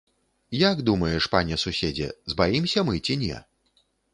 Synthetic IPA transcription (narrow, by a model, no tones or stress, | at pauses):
jaɡd̪umɐjɛʂpanʲɛsusʲed͡zʲɛ̰zbajimsʲɐmɨt͡sʲinʲɛ̰